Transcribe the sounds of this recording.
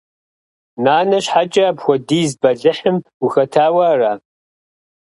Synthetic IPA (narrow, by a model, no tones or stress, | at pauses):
naːnɐɕħat͡ʃʼɐbxʷɔdiːzbɐɮɨħɨmuxɐtʰaːwɐraː